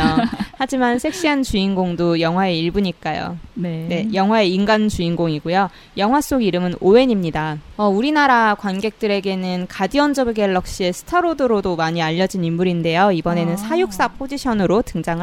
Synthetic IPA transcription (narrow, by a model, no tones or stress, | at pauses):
ohad͡ʑimansʰe̞k̚ɕ͈iɦant͡ɕuinɡoŋdojʌŋɦwae̞iɭbuɲik͈ajo̰nene̞jʌŋɦwae̞inɡant͡ɕuinɡoŋiɡojo | jʌŋɦwas͈oɡiɾɯmɯnoe̞ɲimɲidaʌuɾinaɾakwanɡe̞k̚t͈ɯɾe̞ɡe̞nɯnkadiʌnd͡ʑʌbeɡeɭːʌk̚ɕ͈ie̞sʰɯ̥tʰʌɾodɯɾodomaɲiaʎːʌd͡ʑinimːuɾinde̞joibʌne̞nɯnsʰajuk̚s͈apʰod͡ʑiɕʰʌnɯɾotɯŋd͡ʑaŋɦ